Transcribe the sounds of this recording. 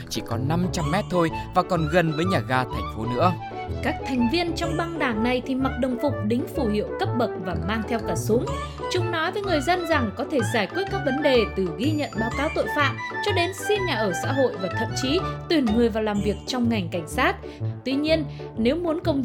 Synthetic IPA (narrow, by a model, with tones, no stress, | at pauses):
t͡ɕi˧˩kɔ˨˦na˧mt͡ɕa˧mːɛ˦˥t̚t̪ʰo˧jvaː˨˩kɔ˨˩nɣə˨˩nvəː˨˦jɲaː˨˩ɣaː˧t̪ʰɛ˨˩jŋ̟fo˨˦nɨ̰˧˥ə | kaː˦˥k̚t̪ʰɛ˨˩jŋ̟vi˧ənt͡ɕɔ˧wŋ͡mɓa˧ŋɗaː˧˩ŋna˨˩jt̪ʰi˨˩ma˨˩t̚ɗə˨˩wŋ͡mfʊ˨˩k͡p̚ɗï˨˦ŋ̟fu˧˩hḭ˧˨ə˨wkə˦˥p̚ɓə˨˩t̚vaː˨˩maː˧ŋt̪ʰɛ˧wkaː˧˩sʊ˨˦ŋ͡m | t͡ɕʊ˨˦ŋ͡mnɔ˨˦jvəː˨˦jŋɨ˨˩əjzə˧nza˨˩ŋkɔ˨˦t̪ʰe˧˩zaː˧˩jkwi˦˥t̚kaː˦˥k̚və˨˦nɗe˨˩t̪ɨ˨˩ɣi˧ɲə̰˧˨nɓaː˨˦wkaː˨˦wt̪o̰˧˨jfa̰ː˧˨mt͡ɕɔ˧ɗe˨˦nsi˧nɲaː˨˩ʔəː˧˩sa̰ː˧˥ɦo̰˧˨jvaː˨˩t̪ʰə̰˧˨mt͡ɕi˨˦t̪wi˨˩ənmɨ˨˩əjvaː˨˩laː˨˩mvi˨˩ək̚t͡ɕɔ˧wŋ͡mŋa˨˩jŋ̟ka˧˩jŋ̟saː˦˥t̚ | t̪wi˧ɲi˧ən | ne˨˦wmu˨˦ənkə˧wŋ͡m